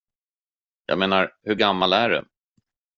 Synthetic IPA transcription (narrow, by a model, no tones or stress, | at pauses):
jɑ̰ːɡmeːnaɾhɵɾɡamːalæɖɛ̰